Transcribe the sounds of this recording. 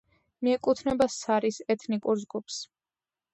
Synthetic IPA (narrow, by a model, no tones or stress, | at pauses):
miɛkʼut̪ʰnɛbassaɾisɛt̪ʰnikʼuɾzɡups